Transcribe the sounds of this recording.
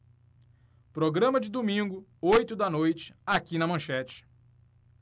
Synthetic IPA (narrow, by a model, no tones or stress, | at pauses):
pɾoɡɾɐ̃mɐd͡ʒɪd̪umĩŋɡʊojt̪ʊd̪ɐnojt͡ʃɪ̥akinɐmɐ̃ʃɛt͡ʃɪ̥